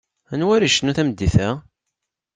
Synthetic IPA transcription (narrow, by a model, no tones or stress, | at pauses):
ænwæɾiʃənæθæmd̪ːiθæ